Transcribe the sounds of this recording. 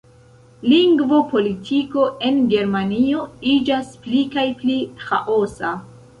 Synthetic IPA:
liŋɡvo̞pʰo̞litʰiko̞ʔe̞nɡe̞ɾmanio̞id͡ʒasplikajplixaʔo̞sa

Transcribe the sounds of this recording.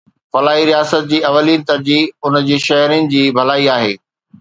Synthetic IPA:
fɐlaːɦiɾijaːsət̪̚d͡ʑiːɐʋəliːnɪ̆t̪ɐɾd͡ʑiːʊnd͡ʑiːʃɐɦɾinɪ̆d͡ʑiːbʱɐlaːiaːɦeː

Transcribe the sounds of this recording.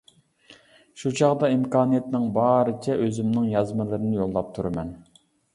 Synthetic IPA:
ʃut͡ʃʰɑʁd̪ɑimkɑːnijɛt̪nɪŋbɑːɾɨt͡ʃʰɛʔøzymnɪŋjɑzmɨlˠɨɾɨnɪjolˠːɑp̚t̪ʰuɾɨmɛn

